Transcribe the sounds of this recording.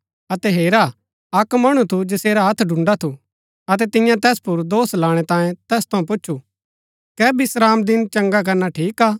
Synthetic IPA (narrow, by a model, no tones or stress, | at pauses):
ɐt̪ɛɦeːɾa | ɐkmɐɽ̃ut̪ʰud͡ʒɪseːɾaɦɐt̪ʰɖʱʊ̃ɳɖat̪ʰu | ɐt̪ɛt̪ɪ̃jãt̪ɛːspʊɾd̪oːslaːɽ̃ɛt̪ãːjẽt̪ɛːst̪ʰɐũp̬ʊt͡ʃːʃʰu | kɛːbɪsɾaːmd̪ɪnt͡ʃɐ̃ŋɡak̬ɐɾnaʈʰiːkaː